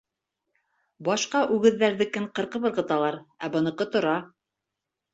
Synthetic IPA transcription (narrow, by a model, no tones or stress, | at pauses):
bɑʃqɑʔʉɡɘ̆ðːæɾðɘkɘɴqɤ̆ɾqɤβɤ̆ɾqɤ̆t̪ɑlˠɑɾæbɤ̆nɤ̆qɤt̪ŏɾɑ